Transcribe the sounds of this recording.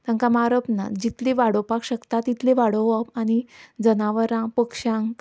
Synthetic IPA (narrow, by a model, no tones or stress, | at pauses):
t̪ãŋkamaɾəpna̰d͡ʑit̪leʋaɽ̤opakɕəkt̪at̪it̪leʋaɽoʋapañid͡zənaʋəɾãpəkʂãŋk